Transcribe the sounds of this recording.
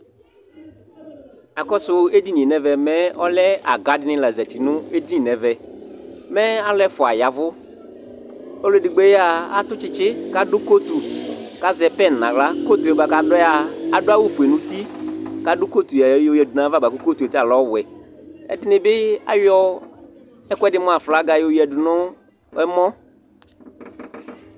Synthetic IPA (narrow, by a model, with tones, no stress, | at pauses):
a˨kɔ˦sʊ˦e˦di˦nĩ˨nɛ˨vɛ˨mɛ˦ɔ˦lɛ˦a̰˨ɡa˨˦dɪ˦nɪ̃˦la˨zɛ˨ti˨nʊ̃˦e˦di˦i˨nɛ˨vɛ˨ | mɛ˦a˦lɛ˦fʊ˨a˨ja˨vʊ˦ | o˦le˦˨di˨ɡ͡be˦ja˦a̰˦tʊ˦t͡ʃɪ˦t͡ʃɪ˦ka˦dʊ˦ko˦tu˨ka˦zɛ˨pɛ˦˨n˨nã̰˨la˦ko˦t̪u˨ɛ˨ba˨ka˨dɔ˦a˨a˨dʊ˦a˦wʊ˦˨fu˨e˨nʊ̃˦t̪i˦ka˨dʊ˦ko˦t̪u˨ja˨jo˨jɛ˨dʊ˨nã˨˦va˦ba˨ko˦ko˦tu˨ɛ˨ta˨lɔ˦˨wɛ˨ɛ̰˨dɪ˦nɪ˨bɪ˦a̰˦jɔ˦ | ɛ˦kʷɛ˦dɪ˦mɔ̃˦a˨fla˨˦ɡa˨jo˨ji˨ɛ˨dʊ˨nʊ˦ | ɛ˦mɔ̃˦